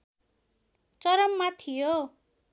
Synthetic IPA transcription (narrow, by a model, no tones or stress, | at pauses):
t͡sʌɾʌmːat̪ʰijo